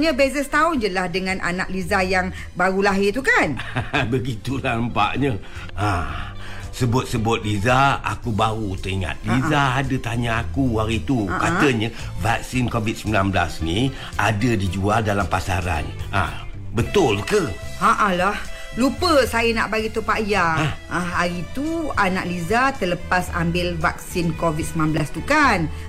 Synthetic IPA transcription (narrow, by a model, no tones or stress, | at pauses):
ɲəbezɛst̪aʊnd͡ʒəlahdəŋãnʔa̰naʔlizajaŋ | baɾulaɦɪt̪ukanbəɡit̪ulahəmpa̰ʔɲə | a | səbʊt̪̚səbʊt̪̚lizaa̰kubaɾut̪əiŋa̰t̪̚lizaːdət̪aɲaːkuhaɾit̪ukat̪əɲə | vak̚sinkovit̪̚səmbilanbəla̰sni | adədid͡ʒualdalampasaɾa̰na̰bət̪ʊlkəaʔalah | lupəsajəna̰ʔbaɡit̪opajaaaɾit̪uanaʔlizat̪ələpasa̰mbɪlvak̚sinkovit̪̚səminanblast̪ukan